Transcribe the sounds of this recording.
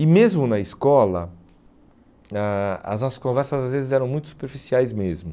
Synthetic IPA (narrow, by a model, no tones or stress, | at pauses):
ɪmezmʊnɐɪskɔlɐ̰ | aɐ̰znɔsɐ̥skõvɛɾsɐzazvezɪzɛɾɐ̃w̃mũj̃t̪ʊ̥su̥peɾfisiajzmezmʊ